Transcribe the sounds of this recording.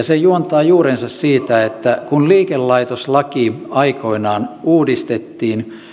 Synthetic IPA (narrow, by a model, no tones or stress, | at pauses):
ɑsejuont̪ɑːjuːɾensɑssiːt̪æet̪ːækunliːkelːɑit̪oslɑkiɑiko̞inɑːnuːdist̪et̪ːiːn